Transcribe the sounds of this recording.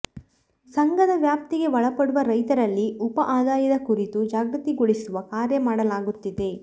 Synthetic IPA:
sɐŋɡɐd̪ɐʋjaːp̚t̪iɡe̞ʋɐɭɐpɐɽuʋɐɾɐjt̪ɐɾɐlːiupɐʔaːd̪aːjɐd̪ɐkuɾit̪ud͡ʒaːɡɾɐt̪iɡuɭisuʋɐkaːɾjɐmaːɽɐlaːɡut̪ːid̪e̞

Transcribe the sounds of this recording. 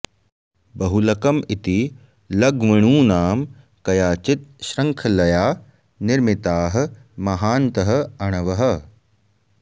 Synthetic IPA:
bɐɦulɐkɐmit̪i | lɐɡʋɐɳ̃uːnaːm | kɐjaːt͡ʃɪt̪̚ʃɾɐŋkʰɐlɐjaː | nɪɾmɪt̪aːɦɐ̆ | mɐɦaːnt̪ɐɦɐ̆ɐɽ̃ɐʋɐɦɐ̆

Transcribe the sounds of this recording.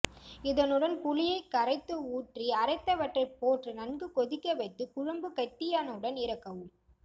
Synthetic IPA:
ɪðɐnɯɽɐnpʊlɪjɐɪkːɐɾɐɪt̪ːɯuːʈriɐɾɐɪt̪ːɐʋɐʈrɐɪpoːʈrɯnɐnɡɯkɔðɪkːɐʋɐɪt̪ːɯkʊɻɐmbɯkɐʈ̪ːɪjaːnɐɯɽɐnɪɾɐkːɐʋɯɭ

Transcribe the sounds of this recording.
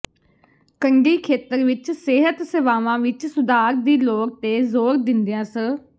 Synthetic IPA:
kəɳɖiːkʰeːt̪əɾʋɪt͡ʃseːɦət̪seːʋaːʋãːʋɪt͡ʃsʊd̪aːɾd̪iːloːk̚t̪eːzoːɾd̪ɪnd̪jãːsə

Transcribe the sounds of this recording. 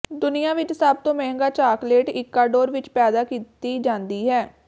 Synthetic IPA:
d̪ʊnɪjãːʋɪt͡ʃsəb̚t̪õːmɛ̃ːɦŋɡaːt͡ʃaːkleːʈɪkːaːɖoːɾʋɪt͡ʃpɛːd̪aːkiːt̪iːd͡ʒãːnd̪iːɦɛː

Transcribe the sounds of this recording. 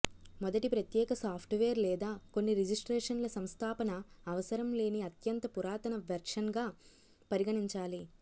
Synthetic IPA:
mɔd̪ɐʈipɾɐt̪jɛːkɐsaːpʰʈʋeːɐɾlɛːd̪aːko̞nːiɾed͡ʒisʈɾɛːʂɐnlɐsɐmst̪ʰaːpɐnɐːʋɐsɐɾɐmle̞ːniɐt̪jɐnt̪ɐpuɾaːt̪ɐnɐʋɐɾʂɐnɡaː | pɐɾiɡɐɳiɲt͡ʃaːli

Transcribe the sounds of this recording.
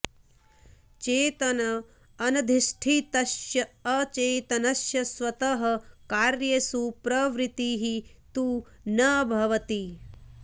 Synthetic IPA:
t͡ʃeːt̪ɐnɐː | nɐd̪ʱiʃʈʰit̪ɐʃjɐɐt͡ʃeːt̪ɐnɐʃjɐsʋɐt̪ɐɦɐkaːɾjɐsuːpɾɐʋɾit̪iːɦit̪u | nɐbʱɐʋɐt̪i

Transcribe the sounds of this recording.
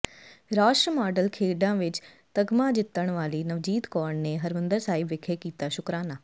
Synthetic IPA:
ɾaːʃɾəmaːɖəlkʰeːɖãːʋɪt͡ʃ | t̪əɡmãːd͡ʒɪt̪ːəɽ̃ʋaːliːnəʋd͡ʒiːt̪kɔːɳneːɦəɾmə̃nd̪əɾsaːɪbʋɪkʰeːkiːt̪aːʃʊkɾaːnaː

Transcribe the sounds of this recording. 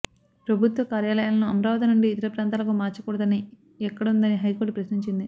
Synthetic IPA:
pɾɐbʱut̪ʋɐkaːɾjaːlɐjaːlɐnuɐmɾaːʋɐt̪ɐnuɳɖiːt̪ɐɾɐpɾaːnt̪aːlɐkumaːɾt͡ʃɐkuːɽɐd̪ɐni | ɛkːɐɽund̪ɐniɦɐjkoːʈupɾɐʃniɲt͡ʃind̪i

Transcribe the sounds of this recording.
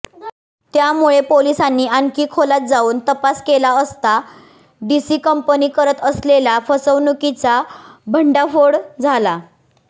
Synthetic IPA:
t̪jamuɭepolisanːiːankiːkʰolat̪̚d͡zauːnt̪əpaskelaəst̪a | ɖisiːkəmpəniːkəɾət̪əslelafəsəʋnukit͡sabʱəɳɖafoɽd͡zʱala

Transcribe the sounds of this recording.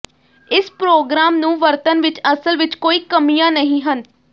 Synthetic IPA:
ɪspɾoːɡɾaːmnũːʋəɾt̪ənʋɪt͡ʃəsəlʋɪt͡ʃkoːiːkəmijãːnəɦĩːɦən

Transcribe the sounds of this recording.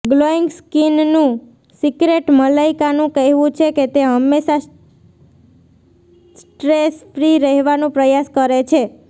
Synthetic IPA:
ɡloiŋɡskinnũ | sikɾeʈməlaikanũkəɦʋũt͡ʃʰeket̪eɦəmːeʃa | sʈɾesfɾiɾəɦɛʋanũpɾəjaskəɾet͡ʃʰe

